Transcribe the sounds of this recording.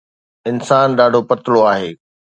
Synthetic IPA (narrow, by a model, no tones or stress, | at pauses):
ɪnsaːnɗaːɖʱopɐt̪ɪloaːɦeː